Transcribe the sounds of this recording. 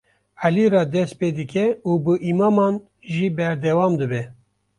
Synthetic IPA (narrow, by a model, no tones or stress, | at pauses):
æliɾɑːd̪ɛspeːd̪ɨkʲɛuːbɨʔimɑːmɑːn | ʒiːbɛɾd̪ɛwɑːmd̪ɨbɛ